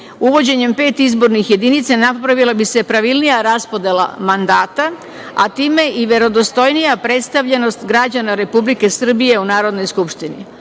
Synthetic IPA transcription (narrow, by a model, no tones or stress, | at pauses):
uʋo̞d͡ʑe̞ɲe̞mpe̞ːt̪izbo̞ɾnixje̞d̪init̪sanapɾaʋilabise̞pɾaʋilˠnijaɾaspo̞d̪e̞la̰mand̪aːt̪a | a̰t̪iːme̞ʔiʋje̞ɾo̞d̪o̞st̪o̞jnijapɾe̞t̪st̪aʋʎe̞no̞st̪ɡɾad͡ʑanaɾe̞publike̞sɨr̩bije̞unaːɾo̞d̪no̞jskupʃt̪ini